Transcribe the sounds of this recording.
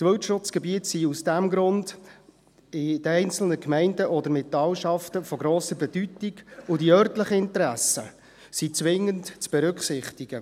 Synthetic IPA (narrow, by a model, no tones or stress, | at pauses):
tʋɵwtʃʊt͡sɡ̥ɛbiətsiusd̥æmɡɾʊnd | ɪd̥əɛɪnt͡sl̩nəkmɛɪndəʔɔdəɾmɪtːɑwʃɑftəfɔɡɾoːsəɾbɛdytiɡʊdiœrtləχəɪntəɾæsə | sit͡sʋɪŋːəntt͡sb̥ɛɾʏkχsɪχtiɡ̥ə